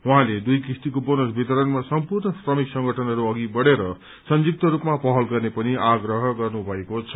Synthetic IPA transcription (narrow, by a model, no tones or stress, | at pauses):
ɦuɦãled̪ujkist̪ikobonosbʱit̪ʌɾʌnmasʌmpurnʌsrʌmiksʌŋɡʱʌʈʰʌnɦʌɾuʌɡibʌɽeɾʌ | sʌnd͡zuk̚t̪ʌɾupmapʌɦʌlɡʌrnepʌniaɡrʌɦʌɡʌrnubʱʌekot͡sʰʌ̥